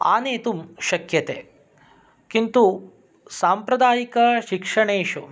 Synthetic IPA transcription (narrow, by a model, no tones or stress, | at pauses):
a̰ːneːt̪umʃɐkjɐt̪eː | kint̪u | saːmpɾɐd̪aːjikɐʃikʂɐɳeːʃu